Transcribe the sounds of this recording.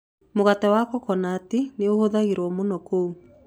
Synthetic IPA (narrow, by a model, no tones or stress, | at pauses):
moɣatɛwakɔkɔnaːteneohoðaɣeɾwɔmonɔkou